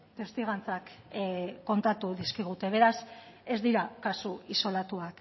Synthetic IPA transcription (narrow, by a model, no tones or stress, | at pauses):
t̪est̪iɣ̞ant͡sak | kːo̞nt̪at̪uðiskiɣ̞ut̪e̞β̞e̞ɾase̞zd̪iɾakasuiso̞lat̪uak